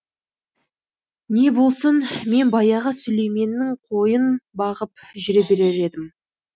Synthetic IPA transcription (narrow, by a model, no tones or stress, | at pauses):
ne̞bo̞lˠsənme̞nbɑjɑʁɑsʏle̞jme̞nːɪɴqʰojənbɑʁəp̚ʒɪɾebe̞ɾeɾe̞d̪ɪm